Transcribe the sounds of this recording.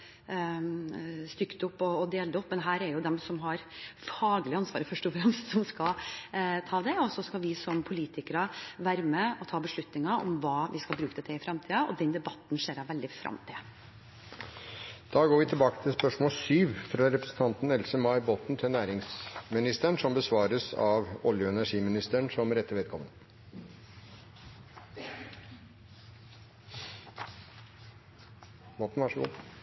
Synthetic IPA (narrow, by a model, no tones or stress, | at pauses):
st̪ʏkːt̪ʊpːɔːd̪eːld̪əʊpːmɛnɦæːɾɛɾjʊd̪ɛmsɔmɦɑɾfɑːɡlɪɑnsʋɑːɾəfœʂʈɔfɾɛmst̪sɔmskɑlt̪ʰɑːd̪ɛɔsɔskɑʋɪsɔmpʰʊliːt̪ʰɪkəɾəʋæːɾməɔt̪ʰɑːbəʂɭʉt̪nɪŋɑʔɔ̰mʋɑːʋʔɪskɑlbɾʉːkəd̪ɛt̪ʰɪɪfɾɑmt̪ʰiːəʔɔ̰d̪ɛnd̪ɛbɑt̪ːnʂeːɾɑʋɛld̪ɪfɾʔɑ̰mt̪ʰɪ | d̪̥ɑːɡoːɾʋɪt̪ʰɪlbɑːkə̥t̪ʰɪlspœʂmoːlsyːʋfɾɑɾɛpɾəsn̩t̪ʰɑnt̪nɛlsəmɑɪbɔt̪n̩t̪ʰɪlnæːɾɪŋsmɪnɪst̪əɳʂɔmbəsʋɑːɾəsɑʋɔljʊɛnæʂiːmɪnɪst̪əɳsɔmɾɛt̪ːəɾʋɛːd̪kʰɔmːə̰n | bɔt̪nʋɑʂəṵː